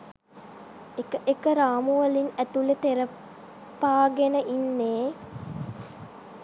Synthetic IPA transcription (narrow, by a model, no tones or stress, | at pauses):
ekəʔekəɾaːmuʋəlinæt̪ulet̪eɾə | paːɡenəʔinːeː